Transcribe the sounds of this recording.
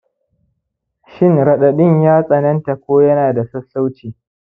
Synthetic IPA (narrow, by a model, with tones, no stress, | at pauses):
ʃɪ˦˨ŋɾɐ˨ɗɐ˨ɗɪ˦˨ɲjaː˦sʼɐ˨nɐ˦nta˨kʷoː˦jɐ˦naː˨da˨sɐ˦sːa˦wt͡ʃiː˨